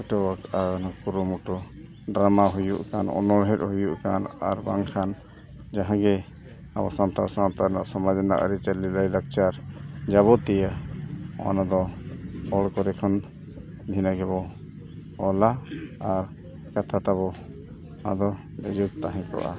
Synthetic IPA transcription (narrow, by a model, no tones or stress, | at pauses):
ɔʈɔbakanakuɾɔmuʈɔ | ɖɾamaɦujuʔkanɔ̰nɔɾɦɛt̚hujuʔkana̰ɾbaŋkʰan | d͡ʒãɦãɡɛ | abasant̪asat̪aɾnaʔsɔmad̪ana̰ʔɾɛt͡ʃɛlilajlak̚t͡ʃaɾd͡ʒaβɔt̪ɛja | ɔ̰nad̪ɔpʰɔɭkɔɾɛkʰɔn | bʱinaɡɛβɔ | ɔlaaɾ | kat̪ʰat̪aβɔ | ad̪ɔ | lɛjuk̚t̪aɦɛ̃kɔ̰ʔa̰